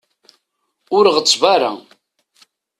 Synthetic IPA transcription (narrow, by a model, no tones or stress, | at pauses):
ʊɾʁət͡sːvaɾa̰